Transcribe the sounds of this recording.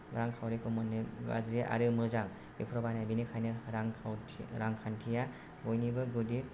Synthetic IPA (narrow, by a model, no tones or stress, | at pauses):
ɾaŋkʰawɾekʰɔmɔnːiɡa̰zɾiʔa̰ɾɯmɯzaŋ | bipʰɾɔbanabinikʰajnɯɾaŋʰawʰɾaŋkʰantʰija | ɡojnibɯɡudi